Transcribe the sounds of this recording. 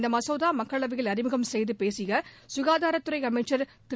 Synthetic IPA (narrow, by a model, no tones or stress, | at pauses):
nd̪ɐmɐsɐːðaːmɐkːɐɭɐɭɐʋɯjɪlɐɾɪmɯɣɐmsɛjðɯpeːsɪɣɐ | sʊɣaːðaːɾɐt̪ːɯɾɐɪɐmɐɪt͡ʃːɐɾt̪ɪ